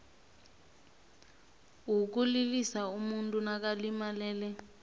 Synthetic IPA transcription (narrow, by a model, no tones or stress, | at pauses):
ɦuk̬ulilisaumuntʼunak̬alimalɛːlɛ